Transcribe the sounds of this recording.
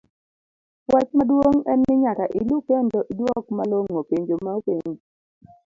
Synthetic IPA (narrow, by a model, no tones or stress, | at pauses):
wat͡ʃmadwoŋɛnːɪɲakaʔɪlukɛntɔʔidwɔkmaloŋːopeɲd͡ʒomaopeɲ